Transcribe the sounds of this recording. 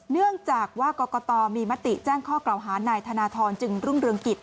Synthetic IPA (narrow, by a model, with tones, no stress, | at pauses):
nɯ˥˩əŋt͡ɕaː˨˩k̚waː˥˩kɔː˧kɔː˧t̪ɔː˧miː˧ma˦˥t̪ːi˨˩t͡ɕaː˥˩ŋkʰɔː˥˩kla˨˩wɦaː˩˦naː˧jt̪ʰaː˧naː˧t̪ʰɔː˧nt͡ɕɯ˧ŋɾu˥˩ŋɾɯ˧əŋki˨˩t̪̚